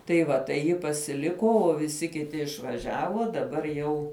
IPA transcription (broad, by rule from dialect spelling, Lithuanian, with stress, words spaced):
tɐɪ ˈʋɐ tɐɪ ˈjɪ pɐsʲɪˈlʲɪkoː oː ʋʲɪˈsʲɪ kʲɪˈtʲɪ ɪʃʋɐˈʒʲæːʋoː dɐˈbɐr jɛʊ